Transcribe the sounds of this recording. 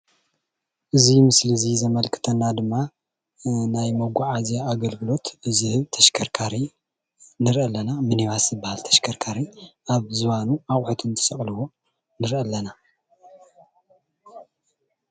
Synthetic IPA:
ʔɨzimɨslɨzizɐmɐlkʰɨ̥t̪ʰɐnːad̪ɨmːa | najmoɡʷuʕazijaːɡɐlɡɨlo̞t̪ɨzɨhɨβt̪ʰɐʃkʰɐɾkʰaɾi | nɨɾʔɐlːɐnamɨniβaszɨbːahalt̪ʰɐ̥ʃkʰɐɾkʰaɾiʔaβzɨβanuaχʼħut̪ʰɨnt̪ʰɨ̥sɐχʼlɨwo̞ | nɨɾʔɐlːɐna

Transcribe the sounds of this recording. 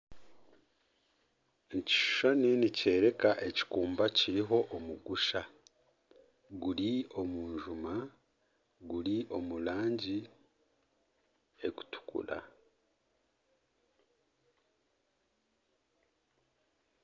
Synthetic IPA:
ci̥ʃu̥ʃaninice̞ːɾe̞kaʔe̞ci̥kuːmbaciɾiɦo̞ʔːmuɡuʃa | ɡuɾio̞muːɲʒuma | ɡuɾio̞mulaːɲɟi | e̞ku̥tu̥kṵɾa̰

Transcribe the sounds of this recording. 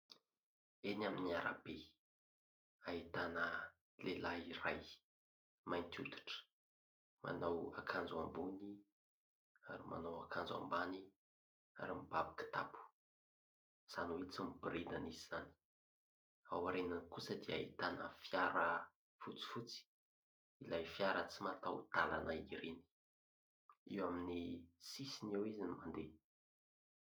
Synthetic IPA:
enaminiaɾa̰be | ait̪anə | lelairaj | majnt̪ʰʲut̪u̥ʈ͡ʂə̥ | mʔa̰nawa̰kʰand͡zuambuni | a̰ɾima̰nowakʰand͡za̰mbani | a̰ɾimibabakə̥t̪apu̥ | z̥anuwet͡sumib̥ɾed̪aniziz̥ani̥ | awaɾenankusəd̪ia̰it̪anəfjaɾə | fut͡si̥fut͡si̥ | ilajfjaɾət͡simat̪awt̪alanaiɾeni̥ | iwaminisisinewizinimand̪e

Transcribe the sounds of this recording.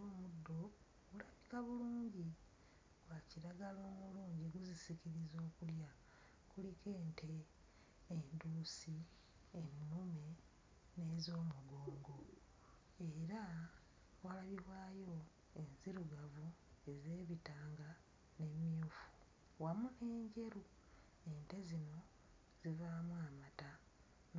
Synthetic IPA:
oːmudːo̞ | ɡulaβikaβuluːɲɟi | ɡ̥waciɾaɡalo̞ːmuluːɲɟiɡuzisiciɾizo̞ːkulja | kulike̞ːnteː | nduːsi | enːume̞ | ne̞ːzo̞ːmuɡo̞ːŋɡo̞ | e̞ɾa | walaβiɾwaːjo̞ | enziɾuɡavue̞ze̞ːβitaːŋɡa | ne̞mjufu̥ | wamune̞ːɲɟe̞ɾu | ente̞zino̞ | z̥ivamuamata | n

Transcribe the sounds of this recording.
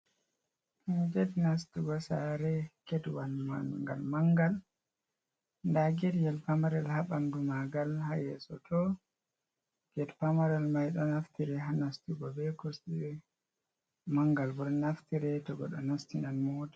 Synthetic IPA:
nɡɛdnastuɡɔsa̰ɾɛkɛdwanmanŋɡa̰lmaŋɡal | ndaɡɛdjɛlpamaɾɛlhaɓandumaɡalhajɛ̰sɔ̰tɔ | ɡ̥ɛdpamaɾɛlmajɗɔnaftiɾɛɦanastuɡɔbɛkosɗi | maŋɡalbɔɾnaftiɾɛtɔɡɔ̰ɗɔnastinanmoda

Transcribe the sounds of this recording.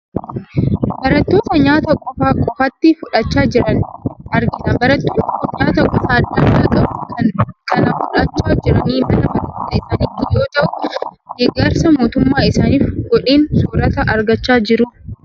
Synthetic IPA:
bɐɾɐt̪ːo̞ːt̪ɐɲaːt̪ɐkʼɔfaːkʼɔfɐt̪ːɪfʊᶑɐt͡ʃːaːd͡ʒɪɾɐnɐɾɡɪnɐbɐɾɐt̪ːoːt̪ɐkɔɲaːt̪ɐkʼɔfaːd̪ːɐnːaːkʼɐbukʰɐnkʼɐnɐfʊᶑɐt͡ʃːaːd͡ʒɪɾɐniːmɐnɐbɐlɐt̪ɐɪsaːnɪt̪ːɪjo̞ːt̪ɐʔʊ̥ɡeːɡːɐɾsɐmo̞ːt̪ʊmːaːɪsaːniːfɡ̥ɔᶑiːnsuːɾɐt̪ɐʔɐɾɡɐt͡ʃːaːd͡ʒɪɾʊ

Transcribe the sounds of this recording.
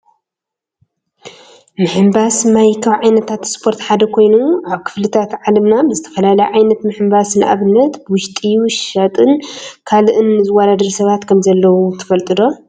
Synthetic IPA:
mɨħɨmbasmajkʰɐβʕajnɐt̪ʰat̪spʰo̞ɾt̪ħad̪ɐkʰo̞jnuʕaβkʰɨ̥flɨt̪ʰat̪ʕalɐmnabɨzɨt̪ʰɐ̥fɐlalɐjʕajnɐt̪mɨħɨmbasnʔa̰βɨnːɐt̪bɨwʊʃt̪ʼiʃʃɐt̪ʼɨnkʰalɨʔɨnːɨzɨwɐd̪ad̪ɐɾsɐβat̪kʰɐmzɐlːɐwut̪ʰɨ̥fɐlt̪ʼɨd̪o̞

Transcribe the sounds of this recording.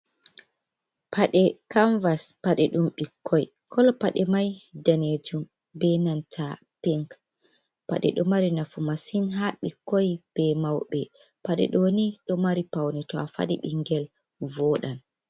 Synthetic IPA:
pʰaɗɛkaɱvaspaɗɛɗumɓikʰːɔj | kʰɔlɔpaɗɛmajdaned͡ʒum | bɛnantʰa | pɛŋk | pa̰ɗɛ̰ɗɔmaɾinafumasinɦaɓikːɔjb̥ɛmawɓɛ | paɗɛ̰ɗɔniɗɔmaɾipawnɛtɔafa̰ɗḭɓiŋɡɛl | vɔɗan

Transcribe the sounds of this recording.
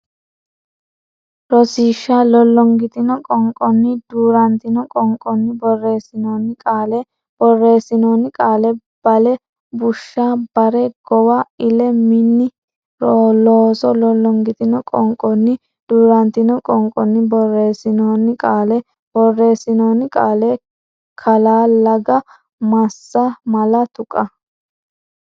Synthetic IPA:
ɾɔsiːʃːaːlɔlːɔŋɡɪt̪ɪnɔkʼɔŋkʼɔnːɪd̪uːɾɐnt̪ɪnɔkʼɔŋkʼɔnːɪbɔrːeːsɪnoːnːɪkʼaːlɛ | b̥ɔrːe̞ːsːɪnoːnːɪkʼaːlɛ | b̥ɐlɛ | bʊʃːaːbɐɾɛɡ̥ɔwaɪlɛmɪnːɪ | loːsɔlɔlːɔŋɡɪt̪ʼɪnɔkʼɔŋkʼɔnːɪ | d̪̥uːɾɐnt̪ɪnɔkʼɔŋkʼːɔnːɪbɔrːeːsɪnoːnːɪkʼaːlɛ | b̥ɔrːe̞ːsɪnoːnɪkʼaːle | kʰɐlaːlɐɡɐ | mɐsːɐmɐlɐt̪ʊkʼːɐ

